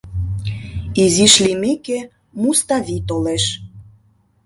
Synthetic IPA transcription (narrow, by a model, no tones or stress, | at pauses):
iziʃlʲimeke | must̪ɑvʲit̪oleʃ